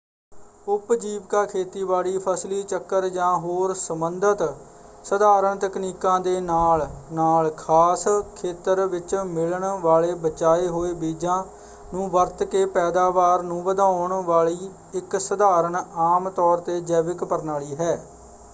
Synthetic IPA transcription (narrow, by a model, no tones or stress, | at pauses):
ʊpd͡ʒiːʋkaːkʰeːt̪iːʋaːɭiːpʰəsliːt͡ʃəkːəɾd͡ʒãːɦoːɾsəmənd̪ət̪ | səd̪aːɾəɳt̪əkniːkãːd̪eːnaːlnaːlkʰaːskʰeːt̪əɾʋɪt͡ʃmɪləɳʋaːɭeːbət͡ʃaːeːɦoːeːbiːd͡ʒãː | nũːʋəɾt̪keːpɛːd̪aːʋaːɾnũːʋəd̪ãːʊɳʋaːɭiː | ɪksəd̪aːɾəɳaːmt̪ɔːɾt̪eːd͡ʒɛːʋɪkpəɾnaːliːɦɛː